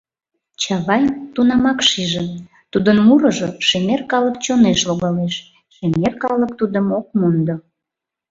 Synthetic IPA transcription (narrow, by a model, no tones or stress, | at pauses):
t͡ɕɑβɑjt̪unɑmɑkʃiʒe | t̪ud̪ənmuɾəʒoʃemerkɑləkt͡ɕoneʃloɣɑleʃ | ʃemerkɑlək̚t̪ud̪əmok̚mond̪o